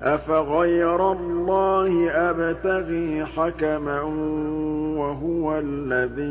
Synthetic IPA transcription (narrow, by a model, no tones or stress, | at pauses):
ʔafaɣajɾˤalˤːɑːhɪʔabt̪aɣiːħakama | waɦʊwalːaðiː